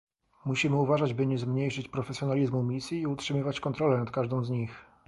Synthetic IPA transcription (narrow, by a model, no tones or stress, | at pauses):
muɕimɘuvaʐad͡ʑbɘɲɛzmɲejʂɘt͡ɕpɾɔfɛsʲjɔnalʲizmumʲisʲjiːutʂɘmɘvat͡ɕkɔnt̪ɾɔlɛnat̪kaʐd̪ɔ̃w̃zɲix